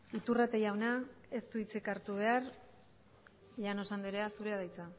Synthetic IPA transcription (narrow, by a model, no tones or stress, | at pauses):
it̪urat̪ejawnae̞st̪uit͡sekaɾt̪uβ̞e̞aɾ | ʎano̞sand̪iɾeasuɾeaðajt͡sa